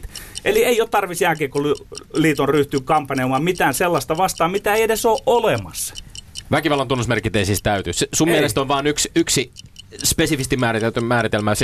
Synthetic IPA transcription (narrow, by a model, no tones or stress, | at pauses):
ʔelieioːt̪t̪ɑrʋisjækeːkolyliːt̪onryht̪yːkkɑmpːɑnemɑːmmit̪æːnselːɑst̪ɑʋɑst̪ɑːmit̪æeiedesoːʔʔolemɑ̰sɑ̥ʋækiʋɑlːɑnt̪unːosmerkit̪ːˑeisiːst̪æyt̪yssummielest̪onʋɑːnyksyksispesifist̪imæːrit̪elt̪ymæːɾit̪elmæːs